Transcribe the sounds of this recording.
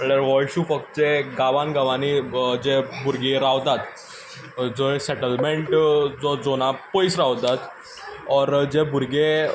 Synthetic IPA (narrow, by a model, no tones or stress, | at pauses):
əɽəɾʋɔlɕufək̚t͡seɡaʋanɡaʋanid͡ʑebuɾɡeɾaʋt̪at̪ | d͡zoesɛʈəlmeɳʈd͡zɔd͡zonapəjsɾaʋt̪at̪ | ɔɾd͡ʑebuɾɡe